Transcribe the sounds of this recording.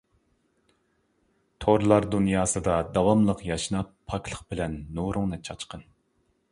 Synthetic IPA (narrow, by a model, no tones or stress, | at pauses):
t̪ʰoɾlˠɑɾd̪unjɑːsɨd̪ɑd̪ɑwɑmlˠəqjɑʃnɑpʰːɑklˠəqbɪlɛnːuɾʊŋnɨt͡ʃʰɑt͡ʃqʰən